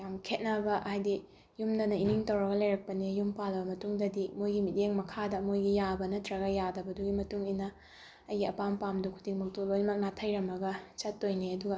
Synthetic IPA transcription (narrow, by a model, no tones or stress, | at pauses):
jamkʰet̚nɐbɐʔhajdi | jumnɐnɐiniŋtɐwɾɐɡɐlɐjɾɐk̚pɐnijumpalɐbɐmɐtuŋdɐdimojɡimideŋmɐkʰadɐmojɡijabɐnɐtɾɐɡɐjadɐbɐduɡimɐtuŋinɐː | jɡiɐpampamdukʰu̥diŋmɐk̚tolojnɐmɐk̚natʰɐjɾɐmɐɡɐt͡ʃɐtːojneɐduɡɐ